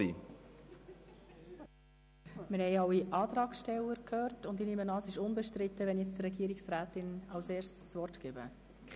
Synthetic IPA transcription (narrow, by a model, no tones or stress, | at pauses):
i | mɪɾhɛɪɑwiʔɑːt̪ɾɑːksʃtɛlːəɾkʰhøːɾtʊnd̪inimənɑːsɪʃʊnbɛʃtɾɪt̪ːəʋɛnjɛt͡st̪rɛɡiːɾiksɾæːt̪ɪnɑwseːʃtst͡svɔrtkɪbə̰